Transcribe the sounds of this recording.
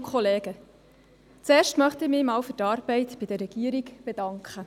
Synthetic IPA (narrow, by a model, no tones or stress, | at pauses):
kχɔleːɡə | t͡seːɾʃtmœχtɪmɪːmɑːwfʏtɑːɾb̥ɛɪtb̥ɪd̥̪əɾːɛɡ̥iəɾikb̥ed̥ɑŋkχə